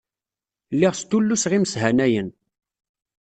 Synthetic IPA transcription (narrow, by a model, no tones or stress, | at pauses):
lːiʁst̪ulːusʁiməsɦænæjən